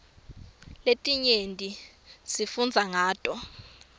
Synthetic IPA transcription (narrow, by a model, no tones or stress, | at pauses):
letʼiɲentʼi | sifund͡zʱaŋaːtʼɔ